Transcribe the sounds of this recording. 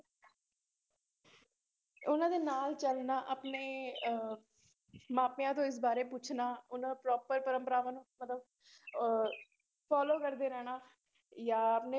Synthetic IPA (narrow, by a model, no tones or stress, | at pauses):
ʊnãːd̪eːnaːlt͡ʃəlnaːʔəpneː | maːpːãːt̪̬õːɪs̬baːɾeːpʊt͡ʃʰnaːʊnãːpɾɔːpəɾpəɾəmpəɾaːʋaːnũːmət̪ləb | pʰɔːloːkəɾd̪eːɾɛːñaː | jaːəpneː